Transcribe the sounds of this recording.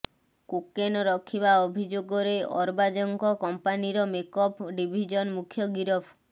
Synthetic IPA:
kukenɔɾɔkʰːibaobʱid͡ʒoɡɔɾeʔɔɾbad͡ʒɔŋkɔkɔmpaniɾɔmekɔpɖibʱid͡ʒɔnmukʰjɔɡiɾɔpʰ

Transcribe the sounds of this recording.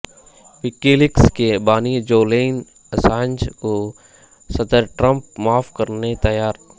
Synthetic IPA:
ʋɪkiːlɪkskebaːnid͡ʒoːleːn | əsãːnd͡ʒko | sɐd̪əɾʈɾə̃mp̚maːfkɐɾnet̪ɐjaːɾ

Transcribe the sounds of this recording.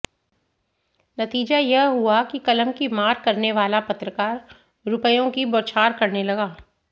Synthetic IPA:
nɐt̪iːd͡ʒajɛɦɦʊakikɐləmkimaːɾkɐɾneʋaːlapɐt̪ɾəkaːɾ | ɾʊpəjõkiboːt͡ʃʰaːɾkɐɾnelɐɡaː

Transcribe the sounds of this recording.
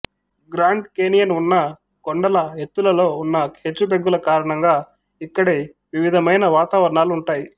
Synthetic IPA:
ɡɾaːɳɖkeːnijɐnunːɐ | koɳɖɐlɐɦet̪ːulɐlo̞ːunːɐkʰe̞ːt͡ʃːud̪ɐɡːulɐkaːɾɐɳɐŋɡaː | ikːɐɽeː | ʋiʋid̪ʱɐmɐjnɐʋaːt̪aːʋɐɾɐɳaːluuɳʈaːji

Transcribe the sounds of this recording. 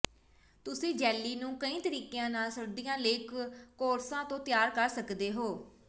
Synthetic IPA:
t̪ʊsĩːd͡ʒɛːlːiːnũːkəĩːt̪əɾiːkejãːnaːlsəɾd̪ijãːləːkːoːɾsãːt̪õːt̪ɪjaːɾkəɾsəkd̪eːɦoː

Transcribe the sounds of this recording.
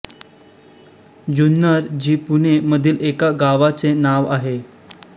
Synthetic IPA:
d͡ʑunːəɾd͡ʑiːpuneməd̪ʱiːlekaɡaʋat͡senaʋaɦe

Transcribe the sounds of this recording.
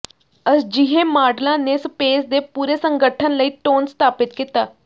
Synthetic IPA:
əsd͡ʒɪɦeːmaːɾɖlãːneːspeːsd̪eːpuːɾeːsəŋɡəʈʰənləiːʈoːnst̪aːpɪt̪kiːt̪aː

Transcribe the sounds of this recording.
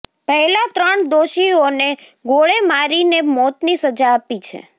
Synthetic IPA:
pəɦɛlat̪ɾəɳd̪oʃione | ɡoɭemaɾinemɔt̪nisəd͡ʒaːpit͡ʃʰḛ

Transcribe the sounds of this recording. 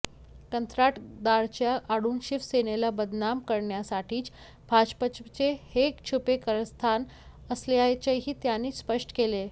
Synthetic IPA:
kənt̪ɾaʈd̪aɾt͡ɕjaʔaɽuːnɕiʋsenelabəd̪namkəɾɳjasaʈʰiːt͡s | bʱad͡ʑpət͡ɕt͡ɕehekt͡ɕʰupekəɾəst̪ʰan | əsleajt͡ɕeɦiːt̪janiːspəʂʈə̥kele

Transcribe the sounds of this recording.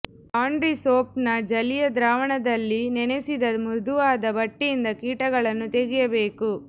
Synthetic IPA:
aːɳɖɾisoːpnɐd͡ʒɐlijɐd̪ɾaːʋɐɳɐd̪ɐlːinɛnesid̪ɐmud̪uʋaːd̪ɐbɐʈːijind̪ɐkiːʈɐɡɐɭɐnːut̪eɡijɐbe̞ːku

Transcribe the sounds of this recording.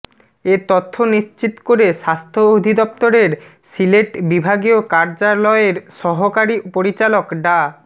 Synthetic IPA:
et̪ɔt̪ʰːoniʃt͡ɕit̪koɾeʃast̪ʰood̪ʱid̪ɔp̚t̪oɾeɾ | sileʈbibʱaɡiokaɾd͡ʑalɔeɾʃɔɦokaɾipoɾit͡ɕalokɖa

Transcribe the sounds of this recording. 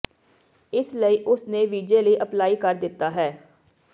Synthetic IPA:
ɪsləiːʔʊsneːʋiːd͡ʒeːləiːʔəplaːiːkəɾd̪ɪt̪ːaːɦɛː

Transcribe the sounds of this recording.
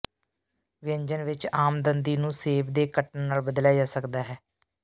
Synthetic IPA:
ʋɪə̃ɲd͡ʒənʋɪt͡ʃaːmd̪ənd̪iːnũːseːbd̪eːkəʈnnaːlbəd̪ljaːd͡ʒaːsəkd̪aːɦɛː

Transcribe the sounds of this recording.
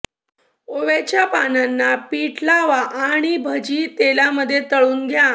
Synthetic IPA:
oʋet͡ɕjapananːapiʈʰlaʋaʔaɽ̃ibʱəd͡ʑiːt̪elaməd̪ʱːjet̪əɭuːnɡʱjã

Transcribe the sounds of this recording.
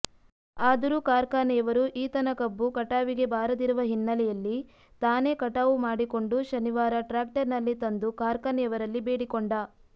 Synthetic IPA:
aːd̪ɐɾuːkaːɾkaːnɛːʋɐɾuʔiːt̪ɐnɐkɐbːukɐʈaːʋiɡe̞baːɾɐd̪iɾuʋɐɦinːɐlɛjɐlːi | t̪aːne̞ːkɐʈaːʋumaːɽiko̞ɳɖuʃɐniʋaːɾɐʈɾaːk̚ʈɐɾnɐlːit̪ɐnd̪ukaːɾkanɛːʋɐɾɐlːibe̞ːɽikoɳɖa

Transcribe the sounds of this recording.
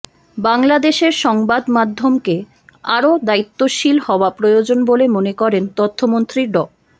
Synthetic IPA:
baŋlad̪eʃeɾʃɔŋbad̪mad̪ʱːomke | aɾod̪ait̪ːoʃilhɔoapɾojod͡ʑonbolemonekɔɾent̪ot̪ʰːomont̪ɾiɾɖɔ

